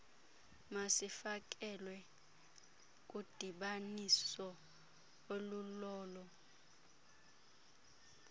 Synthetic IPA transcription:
masifak̬ʼɛlwɛ | k̬ʼud̥ʱiɓanisɔ | olulɔːlɔ

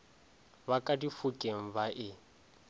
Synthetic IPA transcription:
bakʼadifukʼeŋ̩baʔɪ

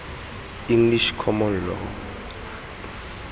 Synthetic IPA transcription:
iŋliʃkʰɔmɔnlɔ̰

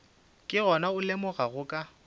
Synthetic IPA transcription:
kʼɪɣɔnaʊlɪmʊɣaɣʊkʼa

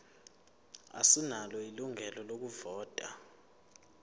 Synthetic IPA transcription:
a̰sinalɔiluŋʱɛlɔlok̬uvɔːtʼa

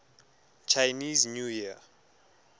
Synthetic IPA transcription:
t͡ʃʰajniznujia

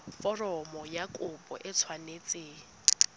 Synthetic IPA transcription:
fɔrɔmɔjakʼʊpʼɔ̰ʔɛt͡sʰwanet͡sʼeː

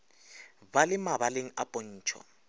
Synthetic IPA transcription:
balɪmaβaleŋ̩apʼon̩ːt͡ʃʰɔ̰

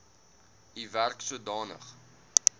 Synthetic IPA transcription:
iværksuədɑːnə̰χ

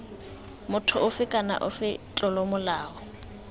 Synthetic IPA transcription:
mʊtʰʊʔʊfɪkʼana̰ʔʊ̰fɪt͡ɬʼɔlɔmʊlaːɔ

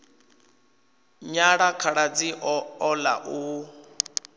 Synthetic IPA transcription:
ɲaɺakʰaɺad͡ziɔla̰ʔu

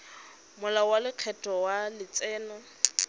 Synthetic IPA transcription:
mʊlawalɪq͡χʰɛtɔwalɪt͡sɛːnɔ

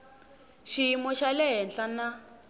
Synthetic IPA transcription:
ʃiimɔʃalɛɦɛnɬana

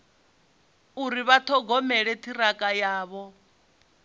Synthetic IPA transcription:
uɾiβatʰɔɡɔmɛɺɛtʰiɾakʼajaːβɔ

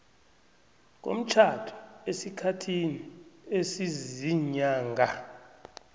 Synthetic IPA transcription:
k̬ʼo̰m̩t͡ʃʰatʰu̥esikʰatʰiniesiziɲaːŋɡʱa

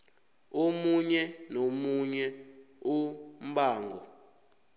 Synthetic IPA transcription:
omuɲɛnomuɲɛ | um̩baːŋɡɔ

